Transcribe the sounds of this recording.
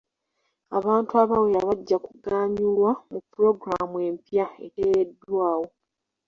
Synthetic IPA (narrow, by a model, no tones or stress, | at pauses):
a̰βaːntuaβawejaβaɟːakuɡaːɲulwamupːuɾo̞ɡɾamwe̞mpjaḛtejedːwaːwo̞